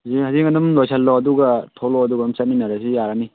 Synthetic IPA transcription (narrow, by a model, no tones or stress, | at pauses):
zihaziŋanumlojsʰalːɔɐduɡatʰɔlɔɐduɡamsaninaɾasijaɾani